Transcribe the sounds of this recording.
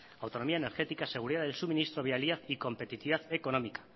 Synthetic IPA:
awt̪o̞no̞miaeneɾxe̞t̪ikase̞ɣuɾiðaðelsumĩnist̪ɾo̞βialiaθiko̞mpet̪it̪iβaθeko̞no̞mikḁ

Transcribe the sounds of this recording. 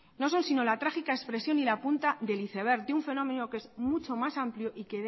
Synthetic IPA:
no̞s̬o̞nsino̞lat̪ɾaxikaespɾe̞sjo̞nilapunt̪aðe̞liθe̞β̞e̞ɾt̪d̪euɱfe̞nõ̞mẽ̞noke̞zmut͡ʃo̞masampljoʔike̞

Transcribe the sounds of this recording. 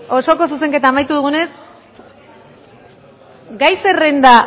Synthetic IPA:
o̞so̞ko̞s̬us̬e̞ŋke̞t̪aːmajt̪uðuɣ̞une̞s | ɡajse̞re̞nd̪a

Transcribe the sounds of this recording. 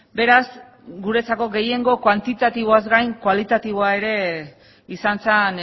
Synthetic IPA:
be̞ɾaz | ɡuɾe̞t͡sako̞ɡe̞je̞ŋɡo̞kwant̪it̪at̪iβ̞o̞azɡajŋkwalit̪at̪iβ̞o̞ae̞ɾe̞ | isant͡san

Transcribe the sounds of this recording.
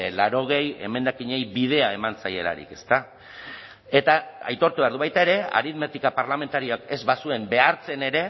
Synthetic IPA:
laɾo̞ɣ̞e̞je̞̰me̞nd̪akiɲe̞jbið̞e̞ae̞mant͡sajela̰ɾḭke̞st̪a | e̞t̪aa̰jt̪o̞ɾt̪uβeaɾðuβajt̪ae̞ɾe̞a̰ɾiðmet̪ikapaɾlame̞nt̪aɾio̞ake̞zβasue̞mbe̞aɾt͡se̞ne̞ɾe̞

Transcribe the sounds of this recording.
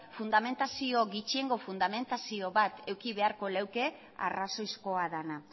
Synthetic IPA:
fund̪ame̞nt̪asio̞ɣit͡ʃie̞ŋɡo̞fund̪ame̞nt̪asio̞βat̪e̞wkiβe̞aɾko̞lewke̞ | a̰raso̞jsko̞aðana

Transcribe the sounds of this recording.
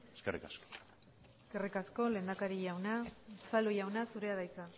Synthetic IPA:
eskerḭkasko̥ | eske̞rikasko̞le̞ːnd̪akaɾiʝawnat͡salujawnasuɾe̞aðajt͡sa

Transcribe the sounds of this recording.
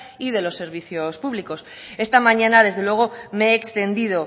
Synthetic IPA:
iðe̞lo̞sːe̞ɾβ̞iθjo̞spuβliko̞s | e̞st̪amãɲãnaðe̞zðe̞lwe̞ɣ̞o̞meeːkst̪e̞nd̪iðo̞

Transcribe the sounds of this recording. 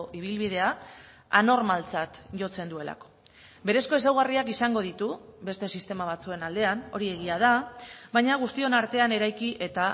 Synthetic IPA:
ʔiβ̞ilβið̞e̞a | ano̞ɾmalt͡sat̪ʝo̞t͡se̞nd̪ue̞la̰ko̥ | be̞ɾe̞sko̞esawɣariakisaŋɡo̞ð̞it̪ube̞st̪e̞sist̪e̞maβ̞at͡sue̞nald̪e̞ano̞ɾie̞ɣ̞iað̞aβajɲaɣ̞ust̪io̞naɾt̪e̞ane̞ɾajkiʔe̞t̪a

